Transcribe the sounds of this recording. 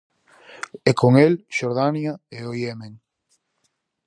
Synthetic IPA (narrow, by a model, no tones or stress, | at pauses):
ekoŋelʃoɾðanjaeojemẽŋ